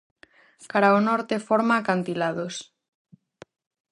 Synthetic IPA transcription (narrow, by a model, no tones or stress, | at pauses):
kaɾaonɔɾt̪efoɾmakant̪ilaðos